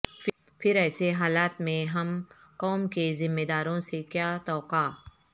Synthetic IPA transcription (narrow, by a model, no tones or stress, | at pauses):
fʰɪɾɛːseɦaːlaːt̪mẽɦɐm | qɔːmkezɪmːed̪aːɾõsekjaːt̪ɔːqaː